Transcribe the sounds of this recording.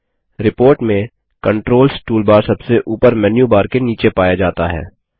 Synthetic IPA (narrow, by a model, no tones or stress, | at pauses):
ɾɪpoːɾʈmẽ | kə̃ɳʈɾoːlsʈuːlbaːɾsɐbseʔuːpəɾmɛːnjubaːɾkeniːt͡ʃepaːjad͡ʒaːt̪aɦɛ̰ː